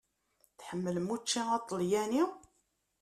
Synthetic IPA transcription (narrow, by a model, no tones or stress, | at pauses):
θħəmːələmut͡ʃːiɑt̪ˤːəljæni